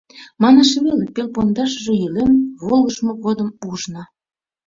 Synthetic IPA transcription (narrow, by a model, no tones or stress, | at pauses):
mɑnɑʃβelepelpond̪ɑʃʒĕjilemβolˠə̆ʃmoɣod̪əmuʒnɤ